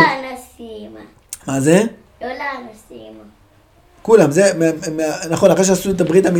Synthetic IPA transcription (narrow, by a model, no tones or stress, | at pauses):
anasima | maze | jolanasima | kulamzememeanaχo̞naχeʃ̬easuet̪̬abʁit̪ami